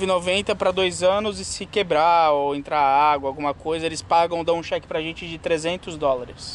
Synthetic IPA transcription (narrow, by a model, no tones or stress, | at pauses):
vɪnovẽnt̪ɐpɾɐd̪ojzɐ̃nʊzɪsɪkebɾaoẽnt̪ɾaaɡwɐaːwɡũmɐkojzɐelɪspaɡɐ̃w̃d̪ãũʃɛkɪ̥pɾɐʒẽnt͡ʃɪd͡ʒɪt̪ɾezẽnt̪ʊzd̪ɔlɐɾɪs